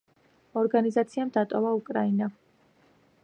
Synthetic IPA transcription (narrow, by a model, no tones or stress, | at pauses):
ɔɾɡanizat̪sʰiamd̪at̪ʼɔvaukʼɾaina